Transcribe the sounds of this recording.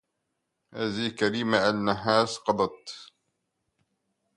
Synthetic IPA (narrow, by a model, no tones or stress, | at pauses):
haːðikaɾiːmaʔalːaɦaːsqɑd̪ˤɑt̪